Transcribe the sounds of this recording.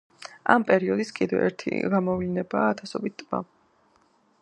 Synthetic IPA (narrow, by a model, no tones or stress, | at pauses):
a̰mpʼɛɾiɔd̪iskʼid̪ɛ̰ɛ̰ɾt̪ʰḭɡamɔvlinɛbaːt̪ʰasɔbit̪̚t̪ʼma̰